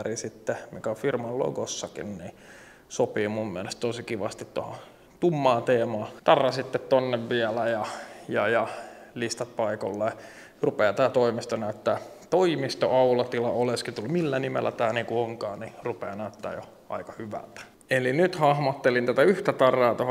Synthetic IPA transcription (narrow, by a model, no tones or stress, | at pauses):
risit̪ːemḭkæofirmɑllo̰ɡosːɑkḭnnḭ | sopiːmumːiælest̪t̪osikiʋɑst̪it̪t̪ːoho | t̪umːɑːt̪eːmɑːt̪ɑrːɑsit̪ːet̪t̪onːeʋʋiælæjɑjɑjɑlist̪ɑt̪̚pɑiko̰lːɑjɑ | rupeːt̪æːt̪oimist̪onæyt̪ːæːt̪oimist̪o̰ʔɑulɑt̪ilɑ̰oleskit̪ulːumilːænimḛlːæ̰t̪æːneːkuoŋkɑːnirupeːnæyt̪ːæ̰ːjo̰ | ʔɑ̰ikɑ̥hyʋæ̰lt̪æ̥ | elinyt̪hɑhmɑt̪ːelint̪æt̪æyht̪æt̪ɑrːˑɑːt̪oh